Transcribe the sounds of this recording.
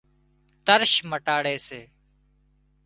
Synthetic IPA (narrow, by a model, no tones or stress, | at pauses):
t̪əɾʃməʈaːɽeːseː